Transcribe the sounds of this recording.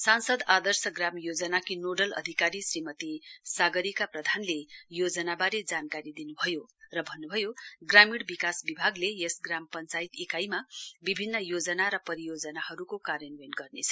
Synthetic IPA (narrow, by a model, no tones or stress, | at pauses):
sansʌd̪ad̪ʌrsʌɡramjod͡zʌnakinoɖʌlʌ̰d̪ʱikaɾisrimʌt̪isaɡʌɾikaprʌd̪ʱanlejod͡zʌnabaɾed͡zankaɾid̪inubʱʌjorʌbʱʌnːubʱʌjoɡramiɽbikasbibʱaɡlejesɡrampʌnt͡sajit̪ekajmabibʱinːʌjod͡zʌnaɾʌpʌɾijod͡zʌnahʌɾukokaɾjʌnwenɡʌrnet͡sʰʌ̥